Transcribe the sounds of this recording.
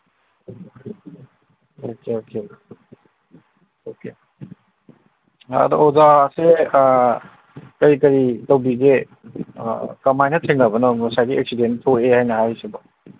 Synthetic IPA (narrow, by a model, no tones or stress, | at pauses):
okeokʰe | oke | a̰do̰ozase | kɐɾikɐɾitɐwbiɡḛ | kɐmajnɐtʰeŋlɐbɐnɔŋusajɡiek̚sidentʰoehajnɐɦajsebɐ